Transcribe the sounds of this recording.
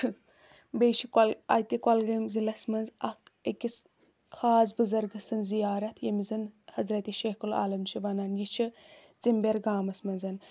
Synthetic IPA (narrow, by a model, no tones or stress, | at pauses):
bejt͡ʃʰikɐlɐ̰t̪ikɐlɡɐmzilɐsmɐnzɐkekʲis | kʰaːsbɨzɐɾɡɨsɨnzijaːɾɐt̪ʰjɐmizɨnhɐzɾɐt̪iʃeːhkula̰ːlɐmt͡ʃʰiʋɐnɐnjit͡ʃʰi | t͡simbeɾɡaːmɐsmɐnzɐn